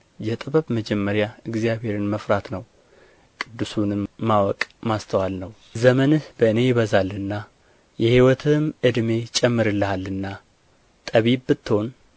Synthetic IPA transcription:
jɛt̪ʼɨbəβməd͡ʒɛmːəɾjaɨɡzjaβhe̞ɾɨnməfɾat̪nəw | kʼɨd̪ːɨsunɨmːawɔkʼmast̪ʰəwalnəw | zəmənɨhbəɨne̞jɪβəzalːɨnːa | jɛhiwɔt̪ʰɨmʔɨd̪me̞t͡ʃʼɛmːɨɾɨlːɨhalːɨnːa | t̪ʼəβibbɨt̪ːho̞n

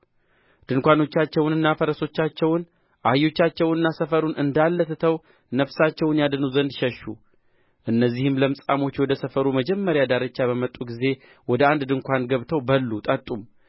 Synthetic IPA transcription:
d̪̥ɨŋkʷano̞t͡ʃːat͡ʃːɛwnɨnːafəɾəso̞t͡ʃːat͡ʃːɛwn | ʔajːo̞t͡ʃːat͡ʃːɛwɨnːasəfəɾunɨnd̪alːəsɨt̪ʰəw | nəfsat͡ʃːɛwnjad̪ɨnəwzənd̪ʃɛʃːu | ʔɨnːəzːihɨmləmsʼamo̞t͡ʃːwɔd̪əsəfəɾuməd͡ʒɛmːəɾjad̪aɾət͡ʃːaβəmət̪ʼːuɡize̞ | wɔd̪əand̪d̪ɨŋkʷanɡəβt̪ʰəwbəlːut̪ʼət̪ʼːum

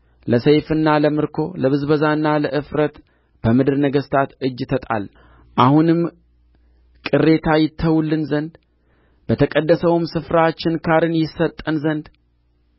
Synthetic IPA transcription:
ləsejfɨnːaləmɨɾkʰo̞ləβɨzbəzaɨnːaləʔɨfɾət̪ | b̥əmɨd̪ɨɾnəɡəst̪ʰat̪ɨd͡ʒːt̪ʰət̪ʼa̰l | ʔahunɨm | kʼɨre̞t̪ʰajɪt̪ʰːəwulːɨnzənd̪ | b̥ət̪ʰəkʼəd̪ːəsəwmsɨfɾat͡ʃːɪnkʰaɾɨnjɪsːət̪ʼːənzənd̪

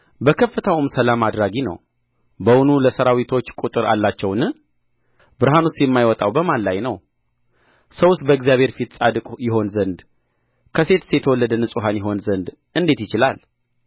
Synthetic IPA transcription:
bəkʰəfːət̪ʰawɨmsəlamad̪ɾaɡinə̰w | bəwunuləsəɾawit̪ʰo̞t͡ʃːkʼut̪ʼɨɾa̰lːat͡ʃːɛwnɨ | bɨɾɦanustːjɛmːajwɔt̪ʼawbəmanlajnəw | səwʊst̪̚bəɪɡzijaβhe̞ɾfit̪sʼad̪ɨkʼjɪɦo̞nzənd̪ | kʰəse̞t̪sjɛt̪ʰəwɔlːəd̪ənɨsʼuɦanjɪɦo̞nzənd̪ | ɨnd̪e̞t̪jɪt͡ʃɪla̰l

